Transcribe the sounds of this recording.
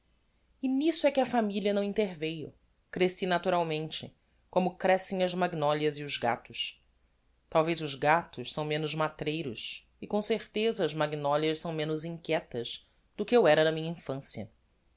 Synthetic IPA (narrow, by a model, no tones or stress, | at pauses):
ɪnisʊɛkɪɐfamiliɐnɐ̃w̃ĩnt̪eɾvejʊ̰ | kɾesinat̪uɾawmẽnt͡ʃɪ | kõmʊkɾɛsẽj̃ɐzmaɡinɔljɐziʊzɡa̰t̪ʊʃ | t̪awvejzʊzɡat̪ʊʃsɐ̃w̃mẽnʊzmat̪ɾejɾʊs | ɪkõseɾt̪ezɐːzmaɡinɔljɐʃsɐ̃w̃mẽnʊzĩŋkʲɛt̪ɐz | d̪̥ʊkɪewɛɾɐnɐmĩɲɐĩfɐ̃siɐ̰